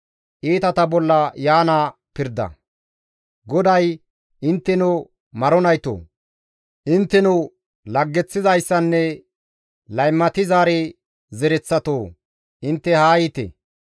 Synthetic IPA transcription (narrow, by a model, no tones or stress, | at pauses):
ʔiːt̪ɐt̪ɐbɔlːɐjaːnaː | pɪɾd̪ɐ̰ | ɡɔd̪ɐj | ʔɪnt̪ːɛnʊ | mɐɾɔnɐjt̪o̰ː | ʔɪnt̪ːɛnʊ | lɐɡːɛt͡sːɪzɐjsːɐnːɛ | lɐjmːɐt̪ɪzaːɾɛ | zɛɾɛt͡sːɐt̪oː | ʔɪnt̪ːɛhaːjɪt̪ɛ̰